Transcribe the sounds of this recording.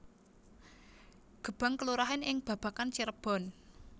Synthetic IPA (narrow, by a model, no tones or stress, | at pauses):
ɡ̥ə̤b̥a̤ŋkəluɾaɦɪnɪŋb̥ä̤b̥a̤kant͡ʃiɾəb̥ɔ̤n